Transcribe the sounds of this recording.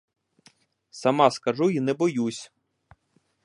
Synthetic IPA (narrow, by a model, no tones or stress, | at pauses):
sɐmɑskɐʒuinɛbɔjusʲ